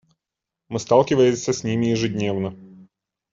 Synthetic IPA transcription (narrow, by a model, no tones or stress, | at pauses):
mɨst̪ɑlˠkʲɪvəjɪmʲsʲəsʲnʲimʲɪjɪʐɨdʲnʲe̞vnə